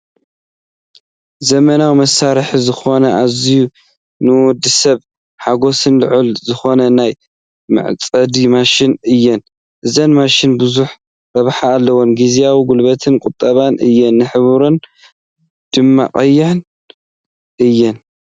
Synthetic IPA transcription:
zɐmɐnawimɐsaɾħizɨxo̞nɐʔaziju | nɨwɔd̪ɨsɐβ | ħaɡo̞sɨnlɨʕulzɨxo̞nɐnaj | mɨ̰ʕt͡sʼɐd̪imaʃɪnɨjːɛn | ʔɨzɐnmaʃɪnbɨzuħ | ɾɐβħaːlːɐwonɡizijawiɡulbɐt̪ʰɨnkʼʊt̪ʼːɐβanʔɨjːɛnːɨħɨβuɾon | d̪̥ɨmːa̰qʼɐjːɪʕn | ʔɨjːɛn

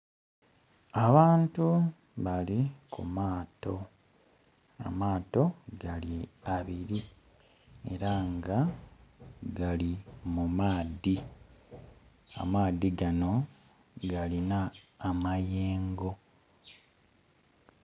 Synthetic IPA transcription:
aβaːntu | βalikʰṵmaːto̞ | a̰maːto̞ɡaliaβiɾi | e̞̰ɾaŋɡa | ɡalimumaːdi | a̰maːðiɡano̞ | ɡalinaːmajeːŋɡo̞

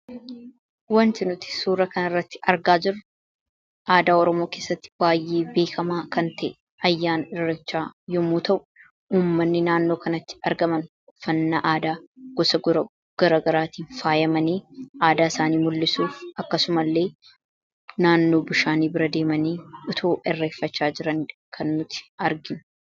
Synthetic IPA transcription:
wɐnt̪ɪnʊt̪ɪ̥suːɾɐkɐnɐrːɐt̪ːɪ̥ʔɐɾɡaːd͡ʒɪrɐ | ʔaːd̪aːɔɾɔmo̞ːke̞ːsːɐt̪ːɪ̥baːjːʔeːbe̞ːkʰɐmaːkɐnt̪ɐ̰ʔ | ɐjːaːnɪrːɐt͡ʃːaːjɔmuːt̪ʰɐʔʊ | uːmːɐnːɪnaːnːoːkɐnɐt̪ːɪ̥ɐɾɡɐmɐn | fɐnːɐʔaːd̪aːɡ̥ɔsɐ | ɡ̥ɐɾɐːɡɐɾaːt̪iːnfaːjɐmɐniːʔaːd̪aːɪsaːniːmʊlːɪsuːfʔɐkːɐsʊmɐlːe̞ː | naːnːo̞ːbʊʃaːniːbɪɾɐd̪e̞ːmɐniːʊt̪ʰoːʔɪrːeːfːɐt͡ʃːaːd͡ʒɪɾɐŋᶑkʰɐnːʊt̪ɪ̥ɐɾɡɪnʊ̥

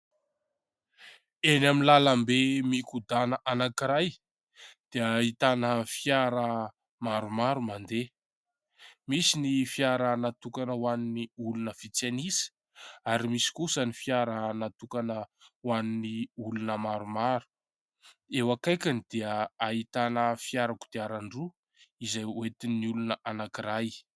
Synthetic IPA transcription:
enaminlalambemikud̪anəʔanakiɾaj | d̪̥eait̪anəfijaɾə | maɾumaɾumand̪e | misinifjaɾanat̪ukanəwaniniulunəfit͡senisi̥ | aɾimisi̥kusənifiaɾanat̪ukanəwaniniulunəmaɾumaɾu̥ | ewakajkʲanid̪̥eəait̪anəfjaɾaku̥d̪̥eaɾaɳɖ͡ʐu | izajwet̪iniulunəʔanakiɾaj

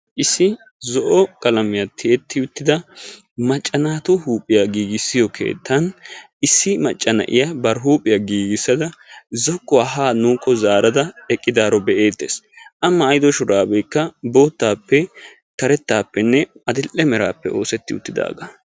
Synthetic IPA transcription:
ʔɪsːɪ | zɔʔɔkʼɐlɐmɪjɐt̪ʰːɪɛt̪ːɪʊt̪ːɪd̪ɐ | mɐt͡ʃʼːɐnaːt̪ʊhuːpʼːɪjaɡiːɡɪsːɪjɔkʰe̞̰ːt̪ʰːɐnʔɪsːɪmɐt͡ʃʼːɐnɐ̰ʔɪ̰jabɐɾɦuːpʼɪjɐɡiːɡɪsːɐd̪ɐzɔkːɔaɦaːnuːkʰʼːɔzaːɾɐd̪ɐɛkʼːɪd̪aːɾɔbɛʔeːt̪ːeːsʔɐmːɐːjd̪ɔʃʊɾaːbɛjkːɐbo̞ːt̪ːaːpːɛ | tɐɾɛt̪ːaːpːɛnːɛɐd̪ɪlʔːɛmɛɾaːpːɛo̞̰ːsɛt̪ːɪʊ̰t̪ːɪd̪a̰ːɡɐ

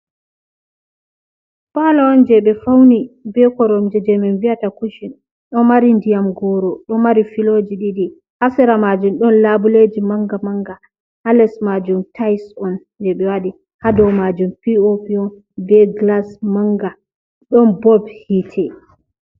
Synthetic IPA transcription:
palaɔnd͡ʒɛɓɛfawnibɛkɔɾɔmd͡ʒɛd͡ʒɛmɛnviatakuʃin | ɗɔmaɾindijamɡɔɾɔɗɔmaɾifilod͡ʒiɗiɗi | hasɛɾamad͡ʒumɗɔnlabuled͡ʒimaŋɡamaŋɡa | halɛsmad͡ʒumtʰajsɔn | d͡ʒɛɓɛwaɗi | hadɔwmad͡ʒumpiopiɔn | bɛɡlasmaŋɡa | ɗɔnbɔbhitʰɛ

